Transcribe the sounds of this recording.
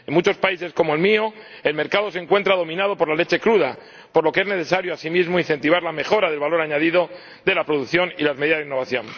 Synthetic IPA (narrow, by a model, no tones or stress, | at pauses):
e̞nmut͡ʃo̞spaise̞sko̞moelmio̞ | e̞lme̞ɾkaðo̞seŋkwe̞nt̪ɾað̞o̞mĩnaðo̞po̞ɾlale̞t͡ʃe̞kɾuð̞a | po̞ɾlo̞keezne̞θe̞saɾjoasimizmo̞inθe̞nt̪iβ̞aɾlame̞xo̞ɾaðe̞lβalo̞ɾaɲaðiðo̞ | ðe̞lapɾoðukθjo̞nilazme̞ðiðazðinːoβaθjo̞n